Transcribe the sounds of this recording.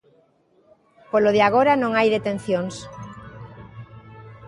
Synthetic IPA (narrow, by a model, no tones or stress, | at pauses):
poloð̞eaɣ̞oɾanõŋajðet̪en̟θjoŋs